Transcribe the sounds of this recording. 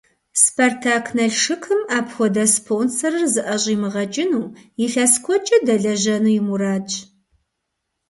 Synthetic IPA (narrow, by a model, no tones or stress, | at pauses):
spʰɐrtʰaːkʰnɐɬʂɨkʰɨmaːpxʷɔdɐspʰoːnsɐrɨrzɨʔɐɕʼiːmɨʁɐt͡ʃʼɪnuːjɪɬɐskʷʰɔt͡ʃʼɐdɐɮɐʑɐnujɪmuɾaːt͡ʃʼ